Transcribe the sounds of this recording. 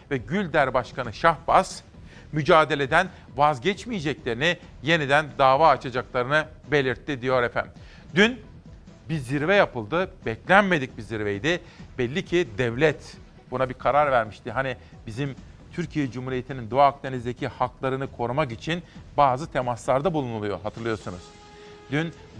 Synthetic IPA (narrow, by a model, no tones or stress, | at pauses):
vɛɟylʲd̪æɾbaʃkanɯʃafbas | myd͡ʒaːd̪e̞lʲe̞d̪æn | vazɟɛt͡ʃmijed͡ʒɛclʲe̞ɾini | je̞nid̪ænd̪aːvaːt͡ʃʰad͡ʒaklˠaɾɯnɯbe̞lʲiɾt̪ʰːid̪ijo̞ɾɛfæ̰n | d̪yn | biziɾvɛjapʰɯlˠd̪ɯbɛclʲænme̞d̪ic̚biziɾvejd̪ɪ | bɛlʲːicʰid̪ɛvlʲɛt̪ | bunabikʰaɾaɾvæɾmiʃt̪iɦani | bizim | t̪ʰyɾcʰijɛd͡ʒumhuːɾijet̪ʰinind̪oaːk̚d̪enizd̪e̞cʰihaklˠaɾɯnɯkʰo̞ɾumakit͡ʃʰinbaːzɯt̪ʰemaslˠaɾd̪abulˠunulˠujo̞̰ɦat̪ʰɯɾlˠɯjo̞ɾsunuz̥ | d̪yn